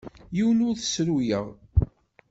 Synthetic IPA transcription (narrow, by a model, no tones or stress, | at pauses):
jiwənʊɾθəsɾujəʁˤ